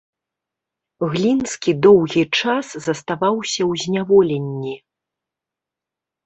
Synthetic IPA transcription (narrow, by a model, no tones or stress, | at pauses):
ɣlʲinskʲid̪ɔwɣʲit͡ʂaszɐst̪avawsʲɐwzʲnʲavɔlʲɛnʲːi